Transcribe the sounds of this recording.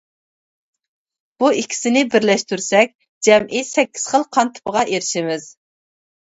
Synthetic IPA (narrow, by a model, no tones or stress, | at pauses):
b̥uikʲʰi̥sɪnɪbɪɾlɛʃt̪yɾsɛk̚ʲ | d͡ʒɛmʔisɛkʲʰːi̥z̥χəlˠqʰɑnt̪ʰɨ̥pəʁɑʔeɾɪʃɪmɪz̥